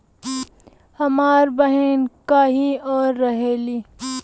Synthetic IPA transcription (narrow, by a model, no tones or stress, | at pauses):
hɐmaːɾbɐɦenkaːɦiɔːɾːɐɦeːliː